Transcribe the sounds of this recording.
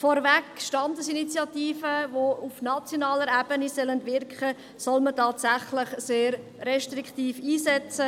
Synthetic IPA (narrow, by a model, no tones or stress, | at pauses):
fɔɾvɛkʃtɑndəsinit͡sjɑtiːfəvoufnɑt͡sjonɑːləɾɛb̥ənisɛləndvɪrkχə | sɔlmətɑːtsæχləχseːɾː | ɛʃtriktiːfiːsɛt͡sə